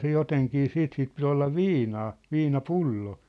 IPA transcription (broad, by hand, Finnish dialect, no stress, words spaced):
se joteŋkiː siːt sip pit olːɑ ʋiːnɑː ʋiːnɑpulːo